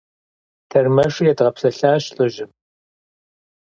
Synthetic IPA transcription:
tʰɐrmɐʂjɛdʁɐpsɐɬaːɕɬʼɨʒɪm

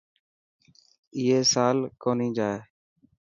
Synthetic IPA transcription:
ɪːeːsaːlkoːnĩːd͡ʒaːeː

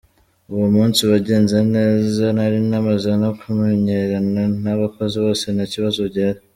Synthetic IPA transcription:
uβomuːnsiβaɟe̞ːnzene̞ːzanaɾinamazanakumeɲeɾananaβakoziβo̞ːse̞naciβazoɟaɾi

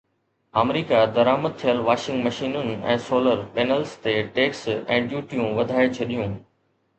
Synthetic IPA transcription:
aːmɾiːkad̪ɐɾaːməd̪̚t̪ʰijəlʋaːʃɪ̃ŋɡmɐʃiːnʊnɪɛ̰̃ːsoːləɾpeːnəlst̪eʈeːksɛ̃ːɖjuːʈijũʋɐd̪ʱaːet͡ɕʰɐɗijũː

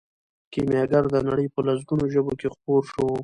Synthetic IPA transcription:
kimjɑɡaɾd̪ənaɽəjpəlas̬ɡunoʒəbokexpoɾʃo

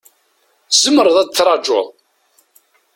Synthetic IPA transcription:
z̥əmːəɾˤðˤæd̪t͡sːɾˤɑd͡ʒo̰ðˤ

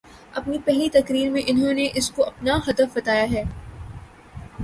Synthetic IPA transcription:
ɐpnipɛɦlit̪ɐkɾiːɾmẽʔɪnɦõneʔɪskoʔɐpnaɦɐd̪əfbɐt̪aːjaɦɛː

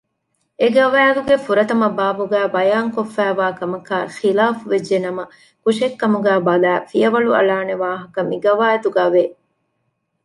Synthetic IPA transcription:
eɡɐʋaːluɡefuɾɐt̪ɐmɐbaːbuɡæːbɐjaːŋkofːæːʋaːkɐmɐkæːxilaːfuʋed͡ʒːenɐmɐ | kuʃekːɐmuɡæːbɐlæːfijɐʋɐɭuɐ̰laːneʋaːɦɐkɐmiɡɐʋaːjɐt̪uɡaːʋe

